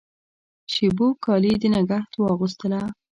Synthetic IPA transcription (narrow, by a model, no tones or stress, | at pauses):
ʃebokɑlid̪ənaɡaht̪wɑɣus̬t̪əla